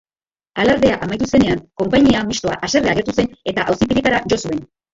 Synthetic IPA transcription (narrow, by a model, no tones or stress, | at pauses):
alaɾðeaʔamajt̪̬use̞ne̞aŋko̞mpaɲiamist̪o̞a̰ʔase̞reaɣet̪use̞ne̞t̪aʔawsipiɾit̪aɾaʝo̞sue̞n